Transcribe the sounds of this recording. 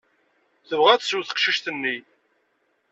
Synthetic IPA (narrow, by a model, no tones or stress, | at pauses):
θəvʁæθsuθə̥qʃiʃt̪ənːi